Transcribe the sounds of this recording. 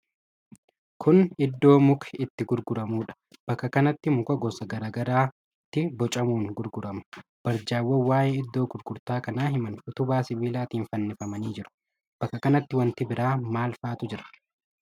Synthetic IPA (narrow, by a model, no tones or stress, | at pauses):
kʰʊnɪd̪ːo̞ːmʊkʰɛ̥ɪt̪ːɪɡʊɾɡʊɾɐmuːᶑɐ̥ | b̥ɐkːɐkɐnɐt̪ːɪmʊkɐɡɔsɐɡɐɾaːɡɐɾaː | t̪ːɪbɔt͡ʃʼɐmuːŋɡʊɾɡʊɾɐmɐ̥b̥ɐɾd͡ʒaːwːɐwaːjeːɪd̪ːo̞ːɡʊɾɡʊɾt̪aːkɐnaːɦɪmɐnfʊt̪ʊbaːsɪbiːlaːt̪iːnfɐnːɪfɐmɐniːd͡ʒɪɾʊ̥ | b̥ɐkːɐkɐnɐt̪ːɪwɐnt̪ɪbɪɾaːmaːlfaːt̪ʊd͡ʒɪɾɐ̥